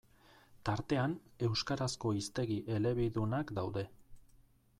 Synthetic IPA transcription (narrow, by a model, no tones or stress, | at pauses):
t̪aɾt̪e̞ane̞wskaɾasko̞ist̪e̞ɣiʔe̞le̞βiðunakd̪awðe̞